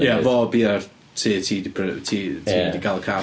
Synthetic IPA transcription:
javɔbiːar | tʰiːtʰiːdpʰtʰiːtʰidiɡalˠəkʰa

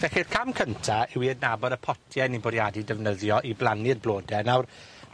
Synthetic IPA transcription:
vɛxɪrkʰamkʰəntʰaɪwiədnabɔdəpʰɔtʰjɛnibɔdjadidɛvnəðjɔʔiblˠanɪrblˠoːdɛnawr

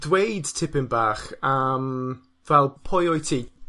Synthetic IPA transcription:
dwejdtʰɪpɪnbaːχəm | vɛlˠpʰɔjɔjtʰiː

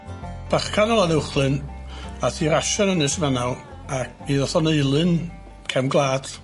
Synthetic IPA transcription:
b̥aχkʰanɔlˠanɛwχlˠɨnatʰiːɾaʃɔnənɨsəvanal | a | iðɔθɔneɨlˠɨn | kʰɛmɡlˠaːd̥

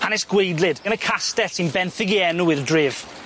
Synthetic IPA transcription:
hanɛsɡ̥wejdˡlˠɪdənəkʰastɛtsinbɛnθɪɡiɛnuɪðdrɪv̥

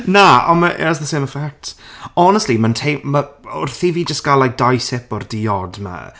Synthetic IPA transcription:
naɔ̰nmaʔɛ̰ɾasðəseːməfɛk̚tʰɔnəstlimantʰejmmaɔrθiviːd͡ʒəstɡ̥alajk̚d̥ajsɪpɔrdiɔdma̰

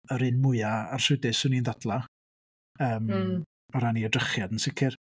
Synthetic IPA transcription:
əɾɨnmʊɨaar̥rʊdɪsʊnindadlˠa | əːm | ɔɾaniədrəχjadənsɪkʰɪr

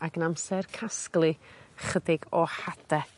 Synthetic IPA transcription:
aɡənamsɛrkʰasklˠɨχədɪɡɔhadɛ

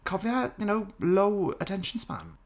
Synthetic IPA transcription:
kʰɔviəjənoʊloʊə̰tʰɛ̃nʃə̃n̩spã̰n

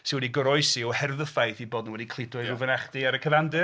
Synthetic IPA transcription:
sɪwɛdiɡəɾɔɨssiɔhɛrðəfajθiboːdnuwɛdikʰlˠɪdʊɨuvənaχd̥iaɾəkʰəvandɨ

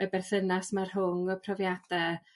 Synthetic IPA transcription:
əbɛrθənasmarɦʊŋɔpʰrɔvjad̥ɛ

